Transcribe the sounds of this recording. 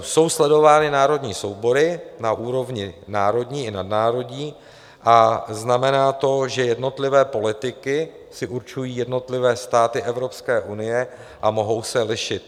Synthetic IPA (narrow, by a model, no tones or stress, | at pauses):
so̞wslɛdo̞vaːnɪnaːɾo̞dɲiːso̞wbo̞ɾɪnaʔuːɾo̞vɲɪnaːɾo̞dɲiːɪnadnaːɾo̞dɲiː | ʔaznamɛnaːt̪o̞ʒɛjɛdno̞t̪lɪvɛːpo̞lɪt̪ɪkɪ | sɪʔuɾt͡ʃujiːjɛdno̞t̪lɪvɛːst̪aːt̪ɪʔɛvɾo̞pskɛːʔunɪjɛ | ʔamo̞ɦo̞wsɛlɪʃɪt̪̚